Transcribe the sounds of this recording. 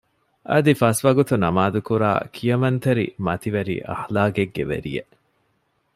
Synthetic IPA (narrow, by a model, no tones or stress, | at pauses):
ʔɐd̪ifɐsʋɐɡut̪unɐmaːd̪ukuɾa̰ːkʰijɐmɐnt̪eɾḭmɐt̪iʋɐɾḭʔɐ̰hlaːɡeɡːḛʋḛɾḭjḛ